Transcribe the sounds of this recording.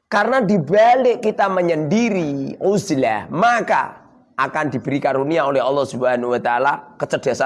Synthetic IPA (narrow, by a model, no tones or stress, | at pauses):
karənad̪ibaleʔkit̪aməɲəndiɾiuzlahmaka̰ | ʔakand̪ib̥əɾikaɾuniaolɛɦɑlːɔhsubanawat̪alakət͡ʃəd̥iasa